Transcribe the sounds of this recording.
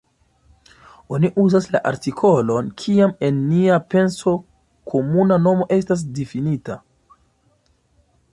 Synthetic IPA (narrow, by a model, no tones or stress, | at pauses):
o̞niʔuzasla̰ʔaɾtikʰo̞lo̞nkʰiame̞nːiape̞nso̞ | kʰo̞munano̞mo̞ʔe̞s̬tas̬definita